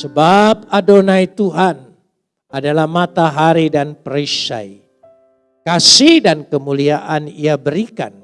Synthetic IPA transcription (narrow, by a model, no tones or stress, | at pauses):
səbap̚adonajt̪uɦan | adalahmat̪aɦaɾidanpɾisa̰j | kasihdankəmuliaʔaniabəɾika̰n